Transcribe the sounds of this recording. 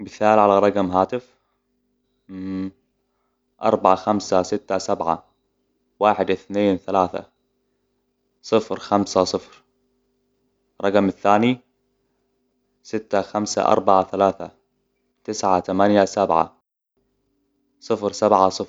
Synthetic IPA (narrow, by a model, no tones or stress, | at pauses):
bɪθaːlʕalaɾˤɑɡmɦaːt̪ɪf | ʔɑ̰ɾˤbaʕaxamsasɪt̪ːasabʕa̰ | waːħɪd̪ʔɪθneːnθalaːθa̰ | sˤɨfɾxamsasˤɨfɾ | ɾˤɑɡmɪθːaːni | sɪt̪ːaxamsa̰ʔɑ̰ɾˤbaʕaθalaːθa | t̪ɪsʕat̪amanjasabʕa̰ | sˤɨfɾsabʕasˤɨf